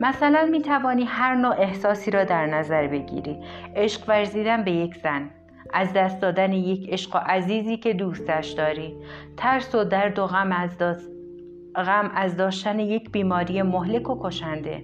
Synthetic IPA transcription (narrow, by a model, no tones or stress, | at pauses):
mæsælænmiːt̪ʰævɒːniːɦæɾnoːʔe̞hsɒːsiːɾɒːd̪æɾnæzæɾbe̞ɟḭɾḭːʔe̞ʃqvæɾziːd̪ænbe̞jekʰz̥æn | ʔæzd̪æst̪̚d̪ɒːd̪æneje̞cʰe̞ʃɢoʔæziːziːcʰe̞d̪uːst̪æʃd̪ɒːɾiː | t̪ʰæɾsod̪æɾd̪oɣæm | ɣæmæzd̪ɒːʃt̪æneje̞cʰbiːmɒːɾije̞moɦle̞kʰokʰo̞ʃænd̪e̞̰